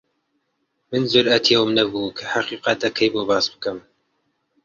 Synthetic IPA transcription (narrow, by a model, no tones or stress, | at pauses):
mɨnzʊɾɐt̪ʰewmnɐbuːkʰɐħaqiːqɑt̪ɐkʰɐjboːbɑːsbɨkɨm